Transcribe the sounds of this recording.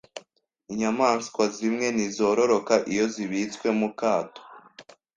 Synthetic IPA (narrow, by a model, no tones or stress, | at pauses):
iɲamaːnskwazimŋe̞nizo̞ːɾo̞ɾo̞kaʔijo̞ziβit͡skwe̞mukaːto̥